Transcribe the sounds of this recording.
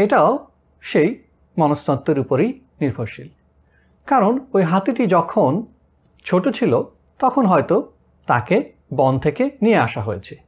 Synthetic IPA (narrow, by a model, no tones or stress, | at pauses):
eʈao | ʃej | mɔnost̪ɔt̪ːeɾupoɾej | niɾbʱoɾʃil | kaɾonojɦat̪iʈid͡ʑɔkʰon | t͡ɕʰoʈot͡ɕʰilo | t̪ɔkʰonɦɔjt̪o | t̪ake | bɔnt̪ʰekenieaʃaɦoet͡ɕʰe̥